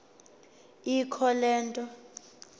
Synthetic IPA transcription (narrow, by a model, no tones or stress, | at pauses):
ikʰɔlɛːntʼɔ